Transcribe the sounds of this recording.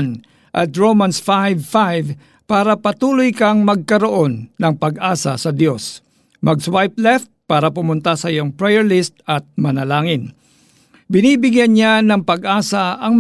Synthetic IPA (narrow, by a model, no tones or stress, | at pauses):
n | ʔɐt̪ɹowmɐnsfajvfajv | paːɾɐpɐt̪uːlojkɐŋmɐɡ̚kɐɾoʔo̞nːɐŋpɐɡʔaːsɐsɐd̪jo̞s | mɐɡswajp̚lɛft̪̚paːɾɐpʊmʊnt̪asɐʔɪjoŋpɹɛjɛɹlɪst̪̚ɐt̪̚mɐnɐlaːŋɪn | bɪniːbɪɡjanɲanɐŋpɐɡʔaːsɐʔɐŋm